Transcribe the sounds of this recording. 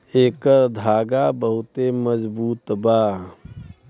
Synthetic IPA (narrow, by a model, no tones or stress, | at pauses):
eːkəɾd̪ʱaːɡabəɦʊt̪eməd͡ʒbuːt̪baː